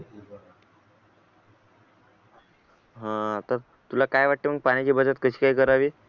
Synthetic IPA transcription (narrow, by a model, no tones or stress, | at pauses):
ɦãt̪əɾ | t̪ulakajʋaʈːem̤əɡ̚paɽ̃it͡ɕiːbəd͡zat̪̚kəɕiːkaikəɾaʋiː